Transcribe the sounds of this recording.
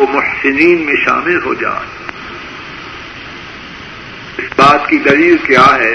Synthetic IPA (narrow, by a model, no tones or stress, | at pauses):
omʊħsɪniːnmẽʃa̰ːmɪlɦo̰ːd͡ʒa̰ː | ɪsbaːt̪kid̪ɐɾiːɾkjaːɦɛː